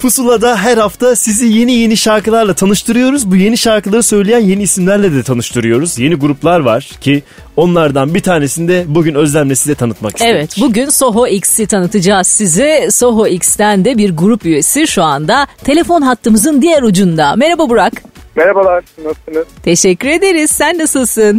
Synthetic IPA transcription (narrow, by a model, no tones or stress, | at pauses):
pʰusulˠad̪aɦæɾhaft̪ʰasizije̞nije̞niʃaɾkɯlˠaɾlˠat̪ʰanɯʃt̪ʰɯɾɯjo̞ɾuzbuje̞niʃaɾkɯlˠaɾɯsø̞jlʲejænje̞niːsimlʲæɾlʲɛd̪ɛt̪ʰanɯʃt̪ʰɯɾɯjo̞ɾuzje̞niɡuɾuplˠaɾvaɾ̥cʰi | o̞nlˠaɾd̪anbit̪ʰaːne̞sind̪ɛbuɟynø̞zlʲæmlʲesizd̪ɛt̪ʰanɯt̪maki̥sɛvvɛt̪buɟynso̞ɦoiksit̪ʰanɯt̪ʰɯd͡ʒaːz̥sizɛso̞ɦoikst̪ænd̪ɛbiɾɡuɾupye̞siʃuand̪at̪ʰe̞lʲe̞fo̞nɦat̪ʰːɯmɯzɯnd̪ijæɾud͡ʒund̪ame̞ɾababuɾakmeɾabalˠaɾɯnasɯnɯt̪ʰe̞ʃɛcːyɾe̞d̪e̞ɾiz̥sænːasɯlˠsɯn